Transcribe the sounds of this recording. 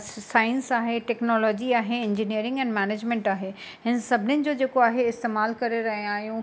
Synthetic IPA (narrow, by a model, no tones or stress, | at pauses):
saːɪ̃nsaːɦeʈɛːknɔːlɔːd͡ʑiaːɦeɪ̃ɲd͡ʑiniəɾɪ̃ŋɡɛ̃ːnmɛːneːd͡ʑmẽɳʈaːɦe | ɦɪnsɐbʱɪnɪnɪ̆d͡ʑoːd͡ʑeːkoaːɦeɪst̪eːmaːlkɐɾeɾɐɦĩaːɦijũ